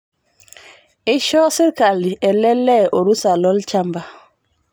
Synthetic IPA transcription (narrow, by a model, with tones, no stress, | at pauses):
i˦ʃɔ˦si˦ɾka˨li˨ɛ˨lɛ˦lːɛ˦ʔo˨ɾu˦sa˨lɔ˦lt͡ʃa˦mba˨